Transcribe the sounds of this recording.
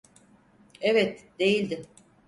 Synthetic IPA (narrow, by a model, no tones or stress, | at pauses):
evɛt̪d̪̥e̞jilʲd̪ɪ